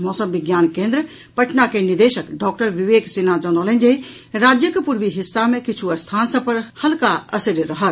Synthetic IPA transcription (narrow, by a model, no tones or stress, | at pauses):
mɔːsəmbɪɡjaːnkẽːnd̪ɾə | pɐʈnakenɪd̪eːʃəkɖɔːk̚ʈəɾʋɪʋeːksenad͡ʒɔnoːlə̃nd͡ʒei | ɾaːd͡ʒjəkpuɾʋiɦɪsːamẽkɪt͡ʃʰuɐst̪ʰaːnsɐ̃pɐɾhɐlkaɐsɪɖɾɐɦət̪